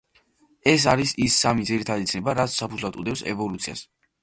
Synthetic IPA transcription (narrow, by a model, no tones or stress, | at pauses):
ɛs̬aɾisisːamid̪ziɾit̪ʰad̪it̪sʰnɛbaɾat̪ssapʰudzlˠad̪ṵd̪ɛpsɛ̰vɔlut̪sʰia̰s